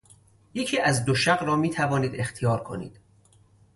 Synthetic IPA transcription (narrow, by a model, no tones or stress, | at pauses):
je̞cʰiːʔæzd̪oʃæɢɾɒːmiːt̪ʰævɒːniːd̪e̞xt̪ʰijɒːɾkʰo̞̰nḭːd̪̥